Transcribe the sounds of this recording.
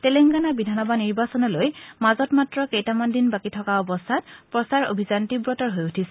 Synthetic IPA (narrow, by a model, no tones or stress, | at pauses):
tɛleŋɡanabidʱanɔbaniɹbasɔnɔlojmazɔtmatɹɔkejtamandinbakitʰɔkaɔbɔstʰatpɹɔsaɹo̰bʱizantibɹɔtɔɹɦojutʰisɛ̥